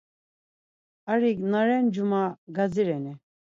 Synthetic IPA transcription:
aɾiknaɾɛnd͡ʒumaɡad͡ziɾɛnɛ

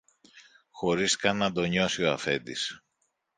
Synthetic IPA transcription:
xo̞ɾiskɐnːɐd̪o̞ɲo̞sio̞ɐfe̞̰d̪is

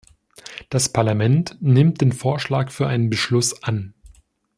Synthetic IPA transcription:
d̥aspʰaɐlamɛntnɪmt̚d̥eːnfoːɐʃlaːkfyːɐʔaɪnənbəʃlʊsʔan

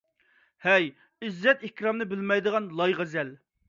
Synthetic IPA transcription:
hɛj | yzːɛt̪ehkʲɾɑmnɨbɪlmɛjd̪əʁɑnlˠɑjʁæzɛl

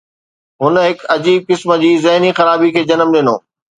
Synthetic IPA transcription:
ɦʊnɦɪkɐd͡ʑiːb̚kɪsmə̆d͡ʑiːzɐɦnixɐɾaːbikʰeːd͡ʑɐnəmɗɪno̰ː

